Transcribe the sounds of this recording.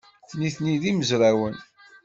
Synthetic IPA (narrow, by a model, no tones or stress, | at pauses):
θniθniðiməzɾæwən